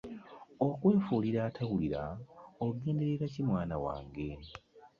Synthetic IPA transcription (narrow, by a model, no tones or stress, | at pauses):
o̞kwe̞ːfuːliɾaːtʰawuliɾa̰oɡe̞ːnde̞ɾeɾacimwaːnawa̰ːŋɡe̞